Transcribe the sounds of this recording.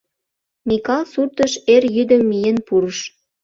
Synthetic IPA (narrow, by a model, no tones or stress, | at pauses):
mikɑlsurt̪ə̆ʃerjyd̪ə̆mːijenpuɾəʃ